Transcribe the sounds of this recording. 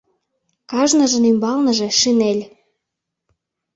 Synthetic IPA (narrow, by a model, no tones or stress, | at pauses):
kɑʒnəʒə̆nymbɑlnɤ̆ʒĕʃinelʲ